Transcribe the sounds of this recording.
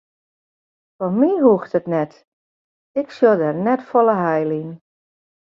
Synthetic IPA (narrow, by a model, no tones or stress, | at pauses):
fɔmiɦuxtətnɛt | ɪksjodərnɛtfɔlˠəɦɛjlin